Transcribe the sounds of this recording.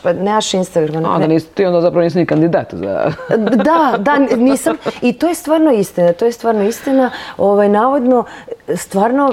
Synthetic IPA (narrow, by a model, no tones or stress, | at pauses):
pneaʃinst̪aɡɾamanaoond̪aniːst̪iond̪azapɾaɐʋoniːsimnikand̪id̪at̪uza̰d̪ad̪aniːsamit̪ojest̪ʋaːɾnoist̪inat̪ojest̪ʋaːɾnoist̪inao̞ʋajnaːʋo̞d̪nost̪ʋaːɾno